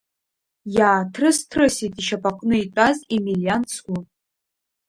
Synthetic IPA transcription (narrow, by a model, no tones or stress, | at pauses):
jaːtʰrɨstʰrɨsitʼiʃapʰʼaqʼnɨitʷʼazimilijansʰɡʷu